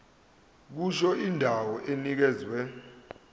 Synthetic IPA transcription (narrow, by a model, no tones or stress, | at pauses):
k̬uʃɔindʱawɔʔenik̬ɛːzwɛ